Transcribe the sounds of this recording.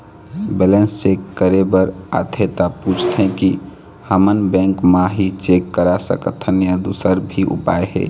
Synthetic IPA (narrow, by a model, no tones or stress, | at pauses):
bɛlensːekəɾebəɾa̰t̪ʰet̪aput͡ʃʰt̪ɦɛ̃ki | həmənbɛ̃ŋkmaɦit͡ʃekːəɾasə̰kət̪ʰənjad̪usəɾbʱiʔṵpaːehɛ̰ː